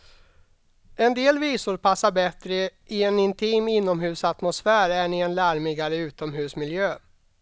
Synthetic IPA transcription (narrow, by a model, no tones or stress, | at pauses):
ɛnd̪eːlviːsʊɾpʰasːaɾbɛt̪ɾəʔɪɛnɪnt̪ʰiːmɪnːɔmɦʉ̟ːsat̪mʊsfæːɾæɳɪɛnlæɾmɪɡaɾəʉ̟ːt̪ɔmɦʉ̟ːsmɪljøː